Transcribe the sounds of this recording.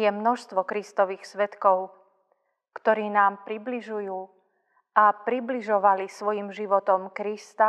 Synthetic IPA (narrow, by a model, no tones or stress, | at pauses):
jɛmnɔʃst̪ʋɔkɾist̪ɔʋiːxsʋɛt̪kɔʊ | kt̪ɔɾiːnaːmpɾibliʒujuː | ʔapɾibliʒɔʋalisʋɔjimʒiʋɔt̪ɔmkɾist̪a